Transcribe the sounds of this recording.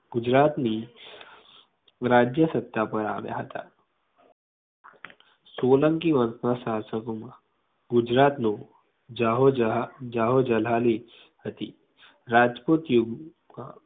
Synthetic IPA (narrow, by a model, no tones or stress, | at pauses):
ɡud͡ʑɾat̪ni | ɾad͡ʑjəsət̪ːapəɾa̰ʋja̰ɦət̪a̰ | soləŋkiʋənsnasaɦasəkoma | ɡud͡ʒɾat̪no | aɦod͡ʒaɦod͡ʒəlali | hət̪iː | ɾad͡ʒpot̪juɡ | a